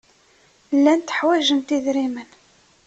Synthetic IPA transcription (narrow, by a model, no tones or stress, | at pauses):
lːænt̪ə̥ħwæʒəmt̪iðɾimən